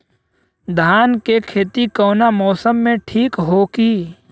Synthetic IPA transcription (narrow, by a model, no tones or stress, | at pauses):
d̪ʱaːnkekʰeːt̪ikɔːnamɔːsəmːẽʈʰiːkɦoːkiː